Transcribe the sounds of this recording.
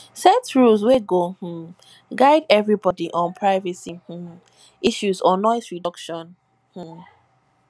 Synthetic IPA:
sɛtɹulsweɡoh̩ | ɡaɪdɛvɹibɔdiʔɔ̃npʰɹaɪvəsih̩ | iʃuzɔnɔɪsɹidɔkʃɔ̃n | hm̩

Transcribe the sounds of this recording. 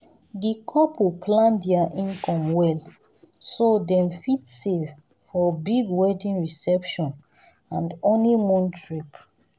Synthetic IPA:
dikʰɔpupʰlãndiaʔĩnkɔ̃mwɛl | sodɛ̃mfitsev | fɔbiɡwɛdĩnɹisɛpʃɔ̃n | ãndõnlimɔ̃ntɹip

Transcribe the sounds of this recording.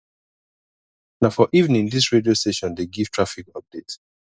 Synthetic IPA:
naʊfɔʔivn̩ĩndisɹediosteʃɔ̃ndeɡiv̥tʰɹafikʌp̚d̥et

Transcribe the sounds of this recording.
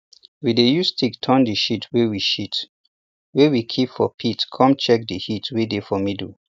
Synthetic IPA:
widejustʰiktʰɔ̃ndəʃitʰwewiʃit | wewikʰipfɔpʰitkʰɔ̃mt͡ʃɛk̚dəhitwedefɔmidl̩

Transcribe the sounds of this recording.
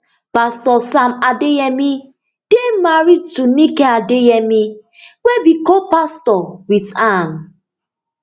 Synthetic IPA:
pastɔsamadeɛmi | d̥emaɹid̚tunikɛadejɛmiwebikɔpastɔwitan

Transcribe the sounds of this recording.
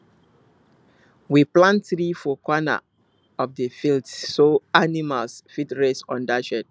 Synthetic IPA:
wiplãntθɾifɔkwɔna̰ | ɔfdəfildssoanimalsfitɹesɔ̰̃ndaʃɛd

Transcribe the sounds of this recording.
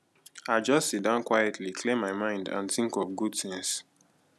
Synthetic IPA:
aɪd͡ʒʌstsit̚dãʊ̃nkwajɛtʰlikʰlẽmːaɪmãɪ̃ndã̰nθĩŋkɔvɡud̚θĩŋs

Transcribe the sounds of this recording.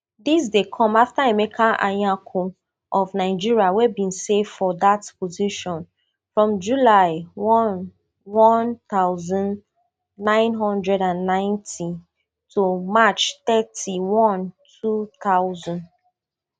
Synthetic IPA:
dis̬dekʰɔ̃maftaemekʰaʔa̰jãkʰo | ʔɔvnaɪd͡ʒiɹiawebĩnsevfɔdatpoziʃɔ̃n | fɹɔ̃md͡ʒulaɪwɔn | wɔ̃nt̪aʊzɔ̃nː | ãɪ̃nɦɔ̃ndɹɛɾãnːãɪ̃ntʰi | tʰumat͡ʃt̪ɛtʰiwɔ̃ntʰut̪aʊzɔ̃nd

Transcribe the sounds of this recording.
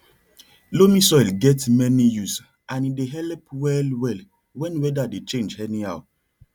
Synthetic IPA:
lomisɔjlɡɛtmɛnijus | ãnideɦɛlpwɛlwɛl | wɛ̃nwɛdadet͡ʃẽnd͡ʒhɛniaʊ

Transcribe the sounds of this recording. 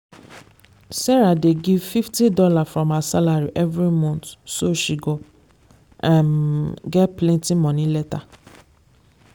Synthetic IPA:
sɛɾadeɡivfiftidɔlafɹɔ̃masalaɹiʔɛvɹimɔ̃ntsoʃiɡo | ʔãnɡɛtplɛ̃ntĩmɔ̃nĩlɛta

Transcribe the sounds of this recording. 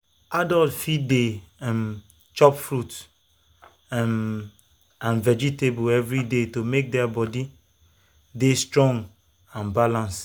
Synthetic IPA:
adɔltfidem | t͡ʃɔpfɹut | m | ãnvɛd͡ʒitebuɛvɹidetomek̚dɛabɔdi | destɹɔ̃ŋɡ | ãnbalãns

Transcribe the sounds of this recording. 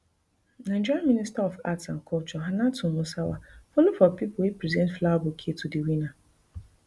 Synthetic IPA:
nãd͡ʒɔmĩnistaɔfatsãn̩kʰɔlt͡ʃɔɦanatʊ̃mũsawa̰folufɔpipʊipɾizɛ̃ntflabokʰetʰudewina

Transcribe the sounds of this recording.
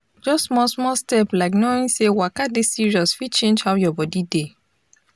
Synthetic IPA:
d͡ʒɔstmɔsmɔstɛplaɪknoĩnsewakadesiɹiɔsfit͡ʃẽnd͡ʒhawjɔbɔdide

